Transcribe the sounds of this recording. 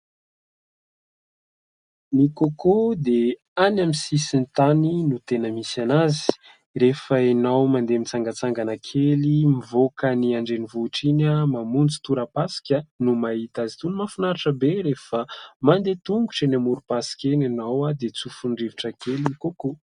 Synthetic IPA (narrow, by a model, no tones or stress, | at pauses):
nikokod̪e | anamisisint̪aninut̪enəmisanazi̥ | refəenawmand̪emit͡saŋɡat͡saŋɡanakʰelimivokəniaɳɖ͡ʐenivuʈ͡ʂinəmamund͡zu̥t̪uɾəpasi̥kʲənumaɦit̪azi̥t̪unimafunaɾaʈ͡ʂəbeɾefəmand̪et̪uŋɡu̥ʈ͡ʂenamuɾupasi̥kʲenanawad̪et͡sufuɳɖ͡ʐiviʈ͡ʂəkeliikoko